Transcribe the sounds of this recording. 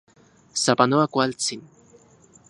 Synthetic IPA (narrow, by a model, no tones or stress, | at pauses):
sapanoakwalt͡sin